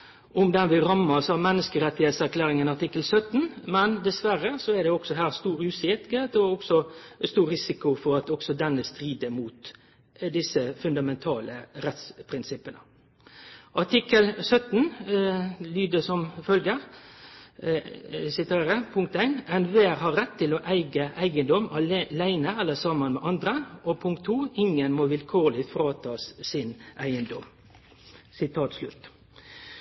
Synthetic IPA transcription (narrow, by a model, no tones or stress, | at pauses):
ʔʊmd̪ɛnʋɪɾɑmɑsɑʋmɛnːəskəɾɛt̪ːɪheːt̪sæɾkʰlæːɾɪŋənɑʈ̪ɪkːəlsœt̪ːnmɛnd̪ɛsʋæɾəsɔɛd̪ɛɔksɔɦæːɾst̪uːɾʉːsɪtət̪ɔɔksɔst̪uːɾɾɪsɪkʊfɔɾɑt̪ɔksɔd̪ɛnːəst̪ɾiːd̪əmuːt̪ | d̪ɪsːəfʉnd̪ɑmɛnt̪ʰɑːləɾɛt̪spʰɾɪnsɪpːənə | ʔɑʈɪkəlsœt̪n | lyːd̪əsɔmfœlɡəɾ | sɪt̪ʰeːɾəpʰʊŋk̚t̪æɪnɛnʋeːʁɦɑɾɛt̪ʰːɪlɔːʔæɪɡəʔæɪɡənd̪ɔmɑlæɪnəɛlːəsɑmənmɛːʔɑnd̪ɾəʔɔpʰʊŋk̚t̪ʰːuːɪŋənmoːʋɪlkʰoːlɪfɾɑːt̪ʰɑːsːɪnʔæɪənd̪ɔ̰m | sɪt̪ʰɑːt̪slʉt̪ː